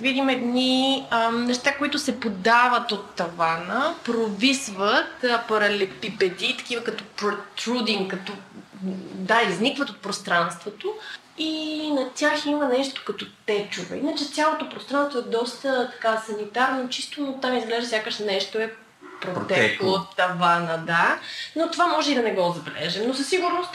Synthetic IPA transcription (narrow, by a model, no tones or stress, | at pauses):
vid̪imɛd̪niənɛʃt̪akoit̪ʊsɛpod̪avət̪ot̪ːɐvanəpɾovisvət̪pɐɾɐlɛpipɛd̪it̪ɐ̥kivəkɐt̪ɔpɾot̪ɾud̪iŋkɐt̪ɔ | d̪aiznikvət̪ot̪̚pɾost̪ɾanst̪vot̪o | inɐt̪ʲjaximənɛʃt̪o̥kɐt̪ɔt̪ɛt͡ʃuvɛ̰inət͡ʃɛt̪sʲjalˠot̪opɾost̪ɾanst̪voɛd̪ɔst̪ət̪ɐ̥kasɐnit̪aɾnot͡ʃist̪onot̪amizɡlɛʒd̪sʲjakəʃnɛnɛʃt̪oɛ | pɾot̪ɛɛkot̪ːɐvanəd̪anot̪ovamɔʒɛid̪ɐnɛɡɔzɐbɛlɛ̰ʒɛmnosəsːiɡuɾnost̪